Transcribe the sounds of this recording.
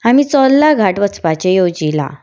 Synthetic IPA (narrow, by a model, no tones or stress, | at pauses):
amiːt͡sɔlːaɡʱaʈʋət͡spat͡ɕejod͡ʑila̰